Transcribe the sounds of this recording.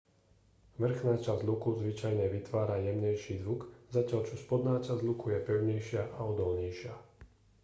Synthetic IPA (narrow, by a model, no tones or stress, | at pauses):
ʋr̩ɣnat͡ʃazlukuzʋit͡ʃajɲɛʋit̪ʋaːɾajɛmɲɛjʃiːzʋukzacɪaʎt͡ʃɔspɔd̪naːt͡ʃazlukujɛpɛʊɲɛjʃɪaʔaɔd̪ɔlɲɛjʃɪa